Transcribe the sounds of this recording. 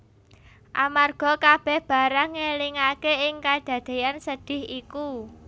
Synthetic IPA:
ʔamarɡ̥ɔ̤kab̥ɛ̤hb̥a̤ɾaŋeliŋakeɪŋkad̪̥ä̤d̪̥e̤jansəd̪̥ɪ̤hiku

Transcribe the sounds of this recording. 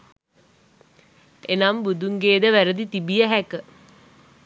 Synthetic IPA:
enambud̪uŋɡeːd̪əʋæɾəd̪it̪ibijəɦækə

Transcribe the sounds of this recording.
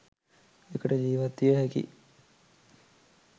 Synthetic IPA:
ekəʈəd͡ʒiːʋat̪ːijəɦɛkḭ

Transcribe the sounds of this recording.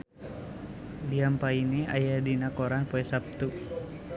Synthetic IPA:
liampainia̰jadinakoɾanpoɛsap̚t̪u

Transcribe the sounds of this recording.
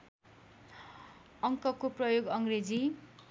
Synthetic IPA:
ʌŋkʌkoprʌjoɡʌŋɡred͡zi

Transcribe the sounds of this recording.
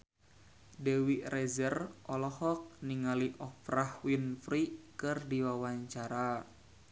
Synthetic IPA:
dɛwiʔrɛzərʔɔlɔhɔk̚niŋaliʔɔfrahwinfɾikɨrdiwawaɲt͡ʃaɾa

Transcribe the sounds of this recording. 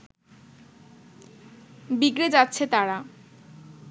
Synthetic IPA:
biɡɾed͡ʑatːɕʰet̪aɾa

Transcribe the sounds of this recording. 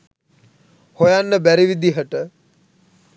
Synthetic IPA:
hojanːəbæɾiʋid̪iɦəʈə

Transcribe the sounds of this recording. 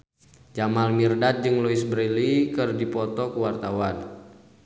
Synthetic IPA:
d͡ʒamalmirdat̪̚d͡ʒɨŋlɔisbɾilikɨrdipɔt̪ɔkuwart̪awan

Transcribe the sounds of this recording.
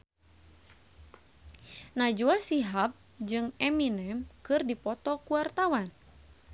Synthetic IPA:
nad͡ʒuasiɦap̚ | d͡ʒɨŋɛminɛmkɨrdipɔt̪ɔkuart̪awan

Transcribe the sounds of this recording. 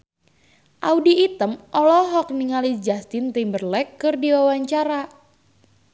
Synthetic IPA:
ʔaudiːt̪əmʔɔlɔɦɔk̚niŋalid͡ʒast̪ɪnt̪imbərlɛkːɨrdiwawaɲt͡ʃaɾa

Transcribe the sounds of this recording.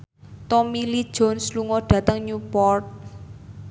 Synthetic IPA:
t̪ɔmilid̥ʒ̥ɔnsluŋɔɖ̥ä̤t̪əŋɲupɔrt̪̚

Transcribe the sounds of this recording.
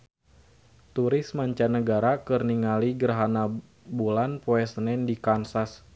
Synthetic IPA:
t̪uɾɪsmaɲt͡ʃanəɡaɾakɨrniŋaliɡərɦana | bulanpoɛsənɛndikansas

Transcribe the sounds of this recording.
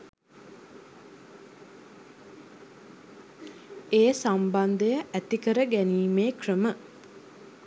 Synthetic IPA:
eːsamband̪əjəʔæt̪ikəɾəɡæniːmeːkrəmə

